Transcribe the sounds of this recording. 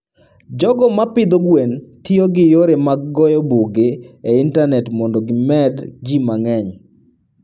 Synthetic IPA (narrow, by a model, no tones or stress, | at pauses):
d͡ʒɔɡɔmapɪd̪oɡwentioɡɪjoɾemaɡɡɔjɔbuɡeeintanɛtmɔndɔɡɪmɛdd͡ʒimaŋɛɲ